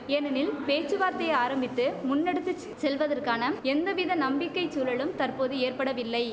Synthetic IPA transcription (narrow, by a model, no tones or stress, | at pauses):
ɛnɐnɪlpeːt͡ʃːɯʋaːɾt̪ɐjaːɾɐmbɪt̪ːɯmʊnːɛɽɯt̪ːɯ | sɛlʋɐðɐrkaːnɐɛnd̪ɐʋɪðɐnɐmbɪkːɐɪt͡ʃːuːlɐɭɯmt̪ɐrpoːðɯeːrpɐɽɐʋɪlːɐɪ